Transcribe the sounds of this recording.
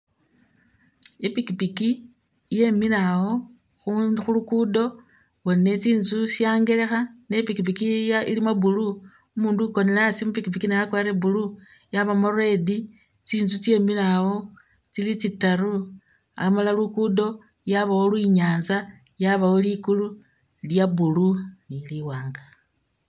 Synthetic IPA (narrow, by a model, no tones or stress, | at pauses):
ipikipiki | je̞milawo̞ | xuxulukudo̞ | wonine̞t͡siːnzusaːŋɡe̞le̞xane̞pikip̬ikijailimabulu | umuːnduko̞nelasimupikipikinejakwaɾebulujaβamarwe̞di | t͡siːnzut͡sje̞ːmilawo̞ | t͡silit͡sitːaɾu | amalalukudo̞ | jaβawo̞lwiɲaːnza | jaβawolikulu | ljabuluniliwaːŋɡa